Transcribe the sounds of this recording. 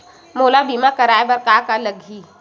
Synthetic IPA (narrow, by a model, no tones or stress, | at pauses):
moːlabimakəɾaːebəɾkaːkaləɡʱiː